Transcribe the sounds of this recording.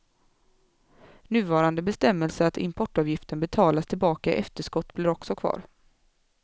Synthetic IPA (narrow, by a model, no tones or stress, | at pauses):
nʉ̟ːvɑːɾand̪əbɛst̪ɛmːəlsəat̪ɪ̰mpʰɔʈːɑːvjɪft̪ənbɛt̪ʰɑːlast̪ʰɪlbɑːkaɪ̰ʔɛft̪əʂkɔt̪ːblɪɾɔksɔkʰv̥ɑ̰ːɾ